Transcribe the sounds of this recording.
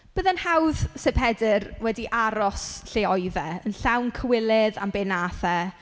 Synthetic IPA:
b̥əːðənhawð̥sɛpʰɛdɪrwɛdiʔaɾɔsɬeɔjðɛənɬawnkʰəwɪlˠɪða̰mbenaːθɛ

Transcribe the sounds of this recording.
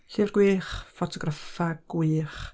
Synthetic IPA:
ɬivrɡ̥wiːχfɔtʰɔɡrafaɡ̥wiːχ

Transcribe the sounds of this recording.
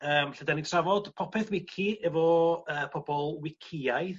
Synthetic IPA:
əːmɬədanitʰravɔd̥pʰɔpʰɛθwɪkʰiɛvɔəːpʰɔbɔlˠwɪkʰɪajð

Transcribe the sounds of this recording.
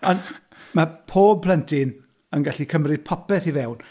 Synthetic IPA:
ɔn | mapʰoːb̚pʰlˠɛntʰɪn | ənɡaɬikʰəmrɨd̥̚pʰɔpɛθivɛwn

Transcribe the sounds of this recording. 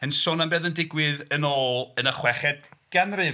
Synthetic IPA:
ənsɔnambɛːðəndɪɡwɨðənoːlˠənəχwɛχɛdɡ̥ɛnrɨ

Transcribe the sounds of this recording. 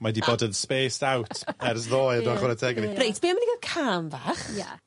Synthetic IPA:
madibɔːdənðspeːsawtʰɛrsðoːjədɔaχɔɾɛtʰɛɡnirejtʰb̥eːamaəniɡakʰaːmvaːχja̰

